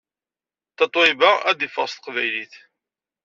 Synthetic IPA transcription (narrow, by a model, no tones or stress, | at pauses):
θət̪ˤːɪbaæðifəʁst̪əqvæjliθ